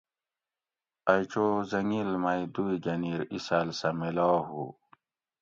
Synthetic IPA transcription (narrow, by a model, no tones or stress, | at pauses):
ɐjt͡ɕoːzɐŋilmɐid̪uiɡɐniɾisalsɐmelɑːɦu